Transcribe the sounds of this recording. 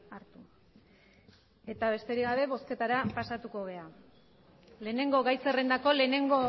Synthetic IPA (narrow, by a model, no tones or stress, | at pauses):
aɾt̪u | e̞t̪aβ̞e̞st̪e̞ɾiɣaβe̞βo̞ske̞t̪aɾapasat̪uko̞ɣe̞a | le̞ːne̞ŋɡo̞ɣajse̞re̞nd̪ako̞le̞ne̞ŋɡo